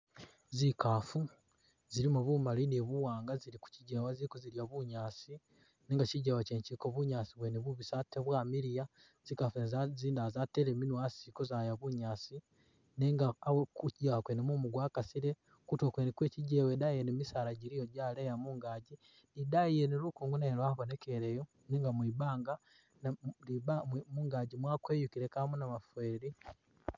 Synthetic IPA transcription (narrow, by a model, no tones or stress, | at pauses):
zikafu | ziɾimuβumaliniβuwaːŋɡaziɾiku̥ciɟewaziikuziljaβuɲaːsi | neːŋɡaciɟewaceːɲt͡ʃikoβuɲaːsiβweneβuβisateβwaːmiɾija | z̥ikafenzziːndazateɾeminwasiko̞zajaβuɲaːsi | neŋɡaːwekucijakwenemumuɡwakasiɾe | kutokwenekweciɟewedaijenemisaɾaɟiɾijoɟalejamuŋɡaɟi | nidaijenilukuːŋɡunaeɾwaβonekeɾejo | niŋɡamwiːbaːŋɡa | nlibamuːŋɡaɟimwakweːjukiɾekamunamafweɾi